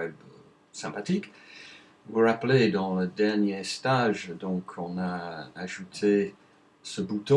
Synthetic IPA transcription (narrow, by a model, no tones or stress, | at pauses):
wɛb | sɛ̃pat̪ik | vuʁapled̪ɑ̃ləd̪ɛʁnjest̪aʒd̪ɔ̃kʰɔ̃naːʒut̪ʰe | səbut̪ɔ̃